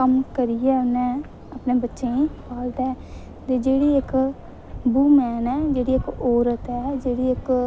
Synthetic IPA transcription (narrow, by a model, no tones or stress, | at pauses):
kəmkəɾijɛːʊnɛ̃ː | əpneːbətːʃẽːĩpaːlt̪ɛː | t̪eːd͡ʒeːɽiːɪk | buːmɛːnɛːd͡ʒeːɽiːɪkɔːɾət̪ɛːd͡ʒeːɽiːɪk